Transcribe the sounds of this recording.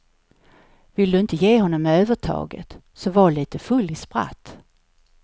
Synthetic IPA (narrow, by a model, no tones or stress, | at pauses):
vɪld̪ɵɪnt̪əjeːɦɔnːɔmːɛøːvəʈʰɑ̰ːɡə̰t̪ | sɔvɑɭiːt̪əfɵlːɪspɾa̰t̪ː